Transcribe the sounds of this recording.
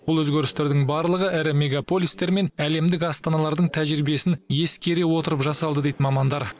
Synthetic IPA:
bʊlˠwɵzɡʲeɾɪst̪e̞ɾd̪ɪŋbɑɾlˠəʁəʔɪɾɪmʲe̞ɡapo̞lʲist̪e̞ɾme̞næle̞md̪ɪkɑst̪ɑnɑlˠɑɾd̪əɴt̪ʰæʒɾibije̞sɪnje̞skʲe̞ɾe̞wo̞t̪əɾəpʒɑsɑlˠd̪əd̪ejd̪ɪmɑmɑnd̪ɑɾ

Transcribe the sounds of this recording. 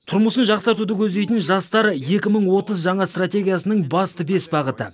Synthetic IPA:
t̪ʰʊɾməsənʒɑqsɑɾt̪ud̪əkʲʰɵzd̪e̞jt̪ɪnʒɑst̪ɑɾje̞kʲɪməɴwo̞t̪əzʒɑɴɑst̪rat̪ʲe̞ɡʲijasənəɴbɑst̪əbe̞sbɑʁət̪ə

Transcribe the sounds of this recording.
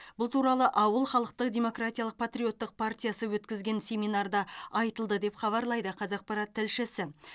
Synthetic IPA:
bʊlˠt̪ʰuɾɑlˠəʔɑwəlˠχɑlˠəq̚t̪əqd̪ʲe̞mo̞krat̪ʲijalˠəq̚pʰat̪ɾijo̞t̪ːəq̚pʰart̪ʲijasəwɵt̪kʲɪzɡʲe̞nsʲe̞mijnard̪ɑɑjt̪əlˠd̪əd̪e̞pχɑβɑɾlˠɑjd̪əqʰɑzɑq̚pɑɾat̪ʰːɪlʃɪsɪ

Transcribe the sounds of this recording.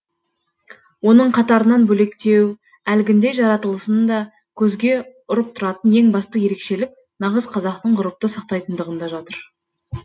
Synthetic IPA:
wo̞nəɴqʰɑt̪ɑɾənɑnbɵle̞kt̪e̞w | ælɡʲɪnd̪e̞ʒɑɾɑt̪əlˠəsənd̪ɑ | kʲʰɵzɡʲe̞ʊɾəp̚t̪ʰʊɾɑt̪ənje̞ŋbɑst̪əje̞ɾe̞kʃe̞lɪk̚ | nɑʁəzqʰɑzɑqt̪əɴqʊɾəp̚t̪əsɑq̚t̪ɑjt̪ənd̪əʁənd̪ɑʒɑt̪əɾ

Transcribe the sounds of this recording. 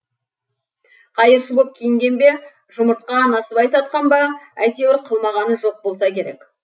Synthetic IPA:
qʰɑjəɾʃəbop̚kʲʰijɪŋɡʲe̞nbe̞ | ʒʊməɾt̪̚qɑnɑsəbɑjsɑt̪̚qɑnbɑæjt̪e̞wɪɾqʰəlˠmɑʁɑnəʒo̞q̚bo̞lˠsɑkʲe̞ɾe̞k

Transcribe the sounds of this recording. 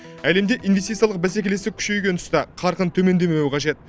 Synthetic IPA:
æle̞md̪eʔinvest̪it̪sɨjalˠəq̚bæs̬e̞kʲele̞st̪ɪkʲʰʏ̥ʃe̞jɡʲe̞nt̪ʰʊ̥st̪ɑqʰɑɾqənt̪ʰɵme̞nd̪e̞me̞wɪqʰɑʒe̞t̪̚

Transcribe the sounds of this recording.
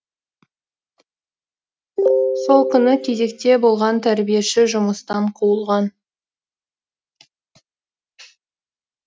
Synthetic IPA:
so̞lˠkʲʰʏnɪkʲʰeze̞k̚t̪e̞bo̞lˠʁɑnt̪ʰæɾbije̞ʃɪʒʊməst̪ɑɴqʰuəlˠʁɑn

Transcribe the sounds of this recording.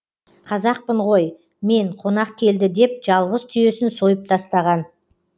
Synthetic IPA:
qʰɑzɑq̚pəɴʁo̞j | me̞ɴqʰo̞nɑqkʲʰe̞ld̪ɪd̪e̞p̚ʒ̥ɑlˠʁəzt̪ʰʏje̞sɪnso̞jəp̚t̪ʰɑst̪ɑʁɑn

